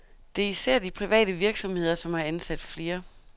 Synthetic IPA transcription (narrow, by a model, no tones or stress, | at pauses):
d̥e̝isæɐ̰d̥ipʰʁiʋɛ̰ːd̥əʋiɐɡ̥sɒ̽mhe̝ð̰ˠɐsɒ̽mæænsæd̥fle̝ːɐ